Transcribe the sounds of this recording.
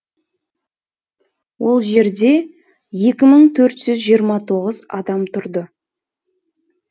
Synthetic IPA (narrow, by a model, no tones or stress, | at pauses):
wo̞lˠʒe̞ɾd̪e̞ | je̞kʲɪməɴt̪ʰɵɾt̪ʒ̥ʏzʒijəɾmɑt̪ʰo̞ʁəzɑ̰d̪ɑmt̪ʰʊɾd̪ə